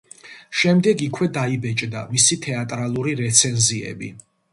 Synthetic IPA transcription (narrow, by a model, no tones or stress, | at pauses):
ʃɛmd̪ɛɡikʰwɛd̪aibɛt͡ʃʼd̪amisit̪ʰɛat̪ʼɾalˠuɾiɾɛt̪sʰɛnziɛ̰bḭ